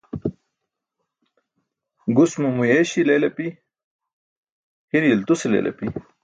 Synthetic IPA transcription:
ɡusmumujeɕilelɐpi | hiɾiilt̪usilḛːlʔɐ̰pi

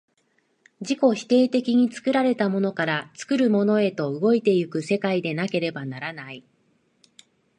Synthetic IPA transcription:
d͡ʑiko̞çi̥t̪e̞ːt̪e̞kʲiɲ̟it͡sɨ̥kɯ̟ɾaɾe̞t̪amo̞no̞kaɾat͡sɨ̥kɯ̟ɾɯ̟mo̞no̞e̞t̪o̞ɯ̟ɡo̞it̪e̞jɯ̟kɯ̟se̞kaid̪e̞nake̞ɾe̞banaɾanai

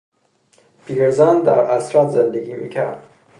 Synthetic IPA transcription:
pʰiɡeɾzænd̪æ̰ɾæsɾɑt̪zend̪eɡʲiːmḭːcʲʰæ̰ɾd̪̥

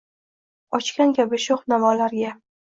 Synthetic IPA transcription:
ɒt͡ʃkʲankʲʰabɪʃoχnamalaɾɡʲa

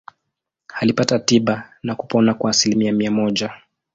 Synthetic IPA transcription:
halipatatiɓanaku̥pɔnakwaːsilimiamiamɔʄa

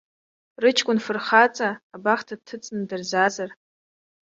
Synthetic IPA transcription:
rɨt͡ʃʰkʷʼʊnfɨrχat͡sʼaːbaχtʰad̚tʰɨt͡sʼnɨdɨrzazar

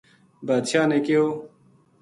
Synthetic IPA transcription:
baːd̪ɕaːnekeoː

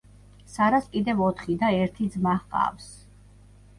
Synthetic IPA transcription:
saɾaskʼid̪ɛvɔt̪ʰχid̪aɛɾt̪ʰid̪zmaχqʼa̰fs

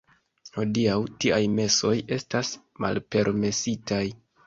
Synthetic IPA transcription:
ho̞diawtiajme̞so̞je̞stas | ma̰lpe̞ɾme̞sitaj

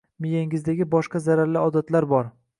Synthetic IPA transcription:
mɪjaŋɪzd̪aɡʲɪbɒʃqɑzaɾaɾlɪɒd̪at̪laɾbɒɾ

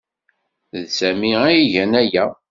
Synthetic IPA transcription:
ðsæmiæiʝænæjæ

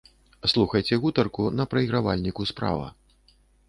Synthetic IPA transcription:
slˠuxɐjt͡sʲɛɣut̪ɐrkunɐpɾɐiɣɾava̰lʲnʲikuspɾa̰vɐ̰

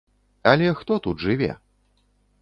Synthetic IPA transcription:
ɐlʲɛxt̪ɔt̪ud̪ʐɨvʲɛ̰

